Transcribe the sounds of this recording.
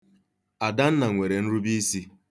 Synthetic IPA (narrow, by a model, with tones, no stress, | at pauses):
a˨da˦n̩˦na˨ŋʷe˨ɾe˨n̩˦ɾu˦bi˦si˦